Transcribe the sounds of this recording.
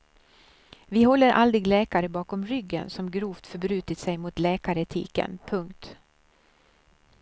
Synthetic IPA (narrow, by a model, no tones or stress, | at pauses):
vɪhɔlːəɾʔald̪ɾɪɡlɛːkaɾəbɑːkɔmɾʏɡːə̰nsɔmɡɾuːft̪fœɾbɾʉ̟ːt̪ɪt̪sɛjmʊt̪lɛːkaɾət̪ʰḭːkə̰npʰɵŋkt̪